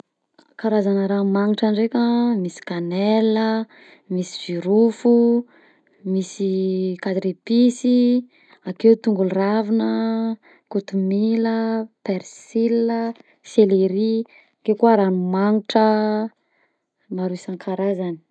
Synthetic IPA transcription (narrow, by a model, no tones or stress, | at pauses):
kaɾazanəɾamaŋiʈ͡ʂanɖ͡ʐekʲamisi̥kanelə | misi̥v̥iɾufu | misikad̪ɾipisi | akewt̪uŋɡulravinə | kut̪umiləpeɾsilə | seleɾi | kekuaɾanumaŋiʈ͡ʂə | maɾuisaŋkʰaɾazani̥